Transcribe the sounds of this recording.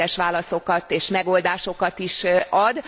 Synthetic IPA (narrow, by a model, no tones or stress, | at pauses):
ɛʃʋaːlɒso̞kɒt̪eːʃmɛɡo̞ld̪aːʃo̞kɒt̪iʃɒd̪